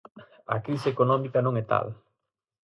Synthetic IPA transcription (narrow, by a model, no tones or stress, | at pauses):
ɐ̰kɾisɪekonɔ̃mikanõŋɛt̪a̰l